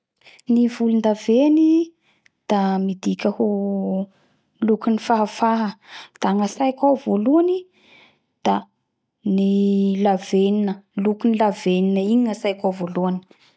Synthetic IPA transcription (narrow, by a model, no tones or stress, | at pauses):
nivulund̪aveni | d̪̥amid̪ikʲəho | lukunifaɦafaɦəd̪̥aŋasajkʲawvoluani | d̪̥a | nilaveninəlukunilaveninəiɲiŋasajkʲawvoluani̥